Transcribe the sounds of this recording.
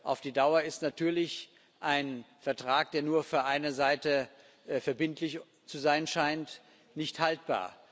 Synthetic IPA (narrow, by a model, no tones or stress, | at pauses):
ʔa̰ʊfd̥iːdaʊɐɪstnatʰyːɐlɪç | ʔaɪnfɛɐtʁ̥aːk̚d̥eːɐnuːɐfyːɐʔaɪnɐzaɪtə | ʔfɛɐbɪntlɪç | t͡suzaɪnʃaɪnt | nɪçthalt̚b̥a̰ːɐ